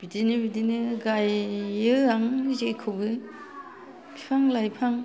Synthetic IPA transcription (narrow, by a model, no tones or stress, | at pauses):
b̥idinɯbidinɯɡajːɯaŋzejkʰɯbɯ | ipʰaŋlajpʰaŋ